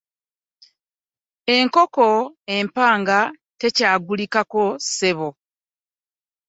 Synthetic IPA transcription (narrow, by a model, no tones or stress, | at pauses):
e̞ŋko̞ko̞e̞mpaːŋɡa | te̞caːɡulikako̞se̞βo